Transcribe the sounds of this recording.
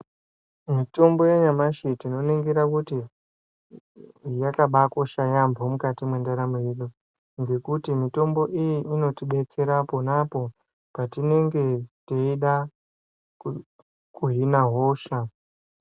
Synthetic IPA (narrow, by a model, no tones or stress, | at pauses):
mito̞mbo̞jeɲamaʃitino̞neŋɡeɾakuti | jakaɓako̞ʃajambomukatimwe̞ndaɾamojeɗu | ŋɡe̞kutimito̞mbo̞ʔijiino̞tiɓe̞t͡se̞ɾapo̞napo̞ | patine̞ŋɡe̞teiɗa | kuɦinaɦo̞ːʃa